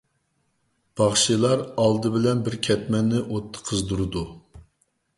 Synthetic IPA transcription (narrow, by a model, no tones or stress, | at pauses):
b̥ɑχʃilˠɑɾɑlˠd̪ɨbɪlɛnbɪɾkʲʰɛt̪̚mɛnːɪʔot̪ʰːə̥qʰəzd̪uɾɨd̪u